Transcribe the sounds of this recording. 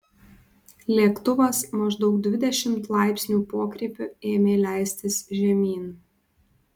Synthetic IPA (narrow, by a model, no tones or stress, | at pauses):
lʲeːkt̪ʊʋɐsmɐʒd̪ɒʊkd̪ʲʋʲɪd̪ʲɛʃʲɪmt̪lˠɑˑɪpʲsʲnʲuːpoːkɾʲeːpʲʊeːmʲeːlʲæˑɪsʲt̪ʲɪsʲʒʲɛmʲiːn